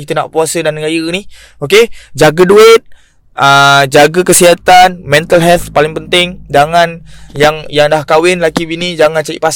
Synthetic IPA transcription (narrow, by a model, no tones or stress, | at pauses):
it̪una̰ʔpuasədanːəɡajəni | oked͡ʒaɡəduɪt̪̚ | ʔəd͡ʒaɡəkəsiɦat̪anmɛ̃nt̪alɦɛlt̪̚palɪŋpənt̪ɪŋd͡ʒaŋanjaŋjaŋdahkawɪnlakibinid͡ʒaŋãnt͡ʃaḭʔpas